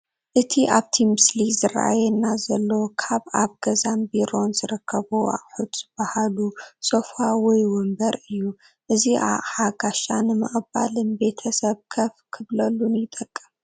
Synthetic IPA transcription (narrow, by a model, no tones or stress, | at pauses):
ʔɨt̪ʰiʔaβt̪ʰimɨslizɨɾʔa̰jɛnːazɐlːokʰaβaβɡ̥ɐzambiɾo̞nzɨɾɨkʰːɐβuʔa̰ʔʼħud̪z̥ɨbahaluso̞fawɔjwɔmbɐɾɨjːu | ʔɨziʔa̰ʔʼħaɡaʃanɨmɨ̰χʼɨba̰lɨnbe̞t̪ʰɐsɐβkʰɐfkʰɨβlɐlːunjɪt̪ʼɐkʼːɨm